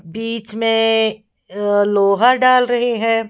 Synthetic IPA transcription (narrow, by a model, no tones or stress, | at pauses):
biːt͡ʃmẽ | loːɦaɾɖaːlɾɐɦeɦɛ̃ː